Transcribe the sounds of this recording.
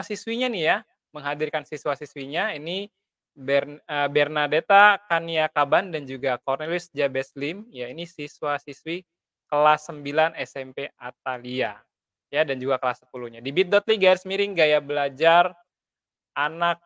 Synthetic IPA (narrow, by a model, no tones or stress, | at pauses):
asiswiɲanihja | məŋɦadirkansiswasiswiɲaini | bɛrəbɛrnadet̪akaniakabandand͡ʒuɡakɔrnelisd͡ʒabɛslimjainisiswasiswi | kəlasːəmbilanɛsɛmpeat̪̚alia | jadand͡ʒuɡakəlasːə̥puluɲadibit̪̚dɔt̪̚liɡaɛtsmiɾɪŋɡajabəlad͡ʒar | ʔanak̚